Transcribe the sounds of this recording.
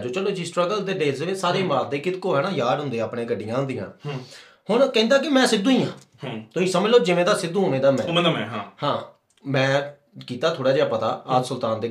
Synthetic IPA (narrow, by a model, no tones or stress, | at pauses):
d͡ʒoːt͡ʃəloːd͡ʒiːsʈɾəɡəld̪eːɖeːlseʋɪsaːɾeːmaːd̪eːkɪt̪koːɦɛːnaːjaːɖɦʊ̃nd̪eːaːpɽẽːkəɖɪjãːɦʊnd̪iːã̰ː | hʊɳkɛ̃nd̪aːk̬ɪmɛ̃ːsɪd̪ũːĩːãː | t̪oːiːsəməd͡ʒloːd͡ʒɪʋẽːd̪aːsɪd̪ũːɦoːnẽːd̪aːmɛ̃ːhãː | mɛ̃ː | kiːt̪aːt̪ʰoːɽaːd͡ʒeːaːpət̪a̰ːaːd͡ʒ̪sʊlt̪aːnd̪eː